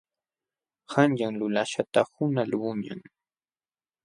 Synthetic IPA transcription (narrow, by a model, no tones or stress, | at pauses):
hanʎaŋlʊlaʃat̪ahʊnalwʊɲa̰ŋ